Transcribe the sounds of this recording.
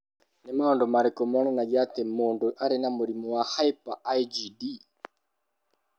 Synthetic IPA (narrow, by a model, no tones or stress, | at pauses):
nemaɔndɔmaɾɛkɔmɔnɛnaɡat̪emonduʔaɾenamuɾimɔwahaipaʔaid͡ʒidi